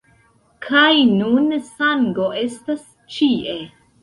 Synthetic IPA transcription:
kʰajnunsaŋɡo̞ʔe̞stas | t͡ʃiʔe

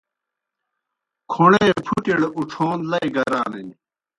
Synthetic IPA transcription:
kʰuɳeːpʰuʈiɽuʈ͡ʂʰoːnlɐiɡɐɾaːnini

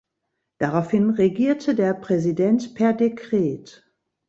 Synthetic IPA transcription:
d̥aʁaʊfhɪnʁeɡiːɐtʰədeːɐpʁ̥ɛzidɛntpʰɛɐdekʁ̥eːt

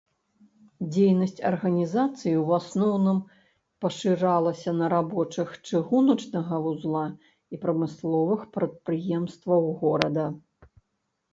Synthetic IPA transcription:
d͡zʲejnɐsʲt͡sʲɐ̰rɣɐnʲizat̪sɨjiwwasnɔwnɨm | pɐʂɨɾalˠɐsʲɐnɐɾabɔt͡ʂɐxt͡ʂɨɣunɐt͡ʂnɐɣɐvuzlˠa | ipɾɐmɨslˠɔvɨxpɾɐt̪̚pɾɨjɛmst̪vɐwɣɔɾɐd̪ɐ

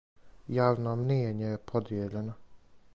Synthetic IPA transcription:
jaːʋnomnieɲejepʰod̪jeʎeno

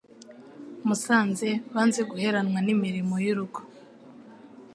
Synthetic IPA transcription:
musaːnze̞βaːnze̞ɡuhe̞ɾanwanimiɾimojiɾuɡo̥

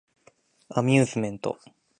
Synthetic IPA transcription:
amʲjɨːzɨmẽ̞nt̪o̞̰

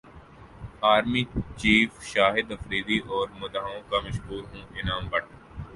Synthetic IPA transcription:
aːɾmiːt͡ʃiːfʃaːɦɪd̪ɐfɾiːd̪iʔɔːɾmʊd̪aːõkamɐʃɦuːɾɦũːʔɪnaːmbɐɽ

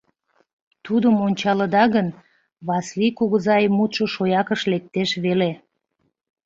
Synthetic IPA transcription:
t̪ud̪əmonʲt͡ɕɑləd̪ɑɣən | βɑslikuɣəzɑjmut̪ʃoʃojɑkəʃlek̚t̪eʃβele

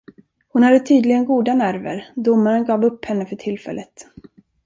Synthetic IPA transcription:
hʊnhad̪ət̪ʰyːd̪lɪɡənɡuːd̪anæɾvə̰ɾd̪ʊmːaɾənɡɑːvɵpːhɛnːəfœʈʰɪlːfɛ̰lːət̪

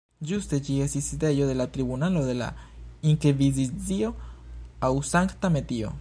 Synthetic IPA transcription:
just̪et͡ʃiesisid̪ejoðelat̪ɾiβunaloðela̰iŋkeβizizio | ausaŋkt̪amet̪io̰

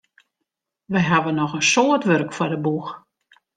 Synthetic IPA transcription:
ʋəjɦaʋənɔxənsoətʋørkfɔdəbux

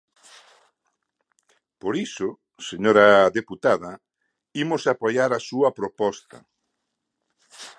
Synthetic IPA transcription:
poɾisʊ | seɲoɾɐðeput̪aðɐ | imʊsapojaɾasuɐpɾopɔst̪ɐ̰

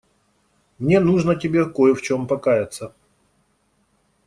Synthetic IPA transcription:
mnʲe̞nuʐnətʲɪbʲe̞kojɛft͡ɕo̞mpɐkajɪt̪sə

